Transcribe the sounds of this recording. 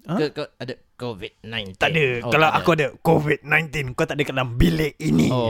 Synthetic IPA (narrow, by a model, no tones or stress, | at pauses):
ə̃adə | kovit̚nãjt̪aʔdəkalawʔakuadəkovit̪̚nãjnt̪inkat̪aʔdəkalambileini